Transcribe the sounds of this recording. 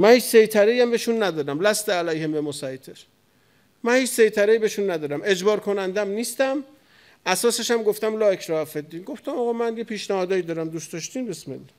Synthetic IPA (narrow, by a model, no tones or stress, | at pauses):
mænhiːt͡ʃsejt̪ʰæɾejæmbeʃunːæd̪ɒːɾæmlæst̪eælæjhembemosɒjt̪ʰeɾ | mænhiːt͡ʃsejt̪ʰæɾeiːbeʃunːæd̪ɒːɾæme̞d͡ʒbɒːɾkʰonænd̪æmniːst̪æm | æsɒːse̞ʃæmɡoft̪æmlɒːekʰɾɒːæfed̪ːiːnɡoft̪æmɒɣɒːmænjepʰiːʃnæhɒːd̪ɒːjid̪ɒːɾæmd̪ustd̪ɒʃt̪iːnbesmḛlːɒ